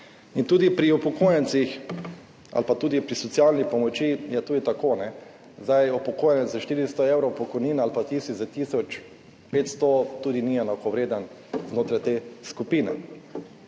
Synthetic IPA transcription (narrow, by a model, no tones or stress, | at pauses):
int̪uːd̪ipɾiupɔkojənt̪six | a̰lpat̪uːd̪ipɾisɔtsialnipɔmɔt͡ʃijɛt̪uːd̪it̪akonɛ | zd̪ajupɔkoːjɛnɛt̪zzaʃt̪iːɾist̪ɔewɾɔwpɔkɔjniːnalpat̪iːsizat̪iːsɔt͡ʃ | pet̪st̪ɔt̪uːd̪iniɛnakɔʋɾeːd̪an | znoːt̪ɾajt̪eːskupiːnɛ̰